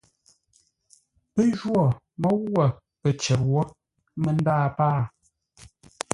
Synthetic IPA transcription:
pə˦ʒwɔ˦˨ | mɔ˦ɣə˨ | pə˨t͡ʃɛ˨p̚wɔ˦ | mə˨n˦daː˦˨paː˦˨

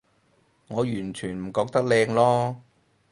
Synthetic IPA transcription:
ŋɔː˨˧jyː˨˩nt͡ʃʰyː˨˩nm̩˨˩kɔː˧k̚t̪ɐ˥k̚lɛː˧ŋlɔː˥

